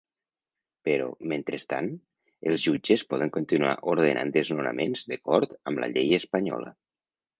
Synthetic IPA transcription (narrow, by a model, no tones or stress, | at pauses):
pəɾɔ̰ment̪ɾəst̪a̰n | əlˠzʒud͡ʒəspɔð̞əŋkunt̪inua̰ʔoɾð̞ənʔa̰nd̪əznunə̰menzðəkɔɾt̪əmlʔə̰ʎejəspəɲɔ̰lə̰